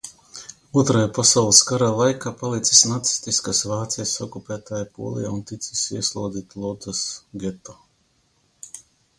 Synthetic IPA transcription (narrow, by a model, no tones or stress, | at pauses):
uɔt̪ɾajapasawlˠiskaɾaːlˠajkaːpalˠit̪si̥snat̪si̥st̪iskasvaːt̪sijasɔkupʲæːt̪aːjapṵɔlˠḭjaunt̪it̪sisiɛslˠuɔd̪ziːt̪lˠɔd̪asɡʲɛt̪o